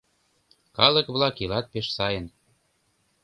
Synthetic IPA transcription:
kɑlɤ̆kβlɑkilɑt̪̚peʃsɑjə̆n

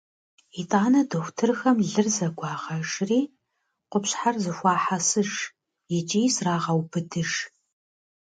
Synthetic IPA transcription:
itʼaːnɐdɨxʷtʰɨrxɐmɮɨrzɐɡʷɑːʁɐʂriː | qʷʊpɕħarzɨxʷɑːħasɨʂ | jɪt͡ʃʼijsraːʁɐwbʰɨdʰɨʂ

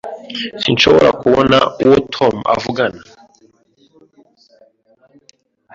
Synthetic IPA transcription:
sinʃoβo̞ɾa̰kuβonauwotʰoma̰vuɡana

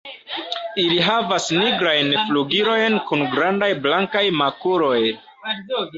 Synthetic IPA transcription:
iliɦavasniɡɾajnfluɡiɾo̞jnkunɡɾandajblaŋkajmakuɾo̞j

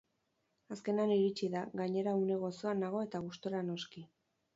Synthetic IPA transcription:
aske̞naniɾit͡ʃiðaɣaɲe̞ɾaune̞ɣ̞o̞so̞anːaɣ̞o̞e̞t̪aɣ̞ust̪oɾano̞ski

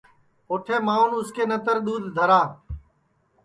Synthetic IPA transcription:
oːʈʰeːmãːʊnʊskeːnət̪əɾɗ̪uːd̪ʱd̪ʱəɾaː

